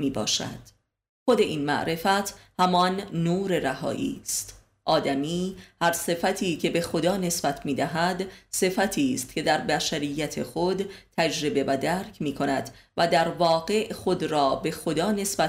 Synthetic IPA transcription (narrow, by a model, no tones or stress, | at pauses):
miːbɒ̰ːʃæ̰d̪̥ | xo̞d̪e̞ʔiːnmæ̰ʔɾe̞fæt̪ʰhæmɒnːuːɾeɾæhɒ̰ːʔḭːst̪ | ʔɒːd̪æmiːhæɾse̞fæt̪ʰiːcʰe̞be̞xo̞d̪ɒːne̞sb̥æt̪ʰmiːd̪æɦæd̪se̞fæt̪ʰiːst̪cʰʲe̞d̪æɾbæʃæɾijːæt̪ʰe̞xod̪t̪ʰːæd͡ʒɾe̞be̞væd̪æːɾcʰmiːkʰo̞næd̪̥væd̪æɾvɒːɡe̞ʔxo̞d̪ɾɒːbe̞xo̞d̪ɒːne̞sbæ